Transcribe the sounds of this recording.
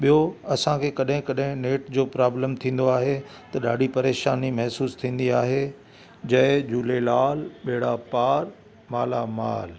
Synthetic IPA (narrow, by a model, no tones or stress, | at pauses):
ɓijoɐsãkʰeːkɐɗɦɪ̃kɐɗɦɪ̃neːʈd͡ʑoːpɾaːbləmt̪ʰĩːn̆d̪oaːɦet̪ɐɗaːɖʱipɐɾeːʃaːnimɐɦsuːst̪ʰĩːn̆d̪iaːɦe | d͡ʑɐɦɪd͡ʑuːlelaːlɓeːɽapaːɾ | maːlamaːl